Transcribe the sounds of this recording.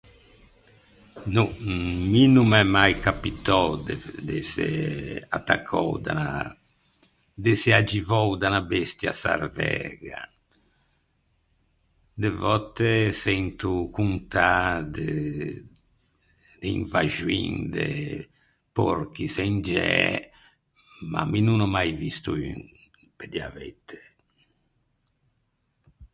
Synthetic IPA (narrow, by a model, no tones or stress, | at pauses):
numinumɛmːajkapit̪ɔwd̪ed̪eseat̪ːa̰kʰːɔ̰wd̪a̰na | d̪esead͡ʒivɔwd̪anabɛst̪ja̰sa̰ɾvɛ̰ɡa̰ | d̪evɔt̪ːesɛnt̪ukunt̪ad̪e | d̪eiɱvaʒuind̪ɛ | poɾk̟isɛnd͡ʒɛ | ma̰minunɔmajvist̪uyn | ped̪javet̪ʰːe̥